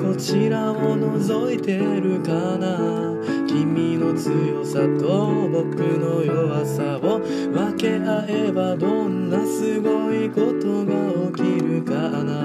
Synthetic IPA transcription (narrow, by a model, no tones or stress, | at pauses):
ko̞t͡ɕiɾamono̞zo̞it̪eɾɯ̟kana | kʲimʲino̞t͡sɨjo̞sat̪obo̞kɯ̟no̞joβasaβo | βake̞aebad̪õ̞nːasɨɡo̞iko̞t̪o̞ɡa | okʲiɾɯ̟ka | na